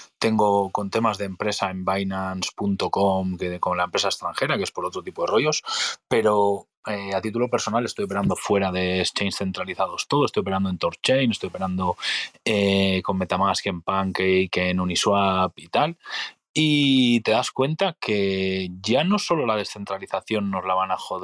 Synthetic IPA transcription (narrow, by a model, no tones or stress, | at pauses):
t̪e̞ŋɡo̞ko̞nt̪e̞mazðe̞ːmpɾe̞sae̞mbajnanspunt̪o̞ko̞mkekonlaempɾe̞saest̪ɾaŋxe̞ɾakee̞spo̞ɾo̞t̪ɾo̞t̪ipo̞ðe̞ro̞jo̞spe̞ɾo̞ | eat̪it̪ulo̞pe̞ɾsonalest̪ojope̞ɾand̪o̞fwe̞ɾaðe̞ːst͡ʃejnsθe̞nt̪ɾaliθað̞o̞st̪oðst̪ojope̞ɾand̪oe̞nt̪o̞ɾt͡ʃejnest̪ojo̞pe̞ɾand̪o̞eko̞nme̞t̪amaske̞mpaŋkejkenuniswapit̪al | it̪e̞ðaskwe̞nt̪ake̞ʝano̞so̞lo̞lað̞e̞sθe̞nt̪ɾaliθaθjo̞nːo̞zlaβ̞anaxo̞ð